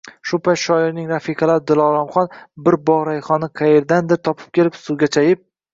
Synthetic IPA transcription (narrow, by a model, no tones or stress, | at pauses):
ʃʊpʰajt̪ʃɒɪɾnɪŋɾafikʰɑlaɾɪd̪ɪlˠɒɾamχɒnbɪɾbɒʁɾajχɒnɪqʰɑje̞ɾd̪and̪ɪɾt̪ʰɒpʰɪ̥p̚kʲʰe̞lɪpsʊɡʲat͡ʃʰajɪp̚